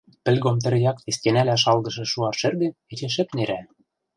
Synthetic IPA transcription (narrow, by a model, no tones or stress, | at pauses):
pɘ̆lʲɣomt̪ɘ̆ɾjɑk̚t̪est̪ʲenælæʃ̬ɑlɣɤ̆ʃɤ̆ʃuɑʃɘ̆rɣĕɘ̆et͡ɕĕʃ̬ɘ̆pneɾæ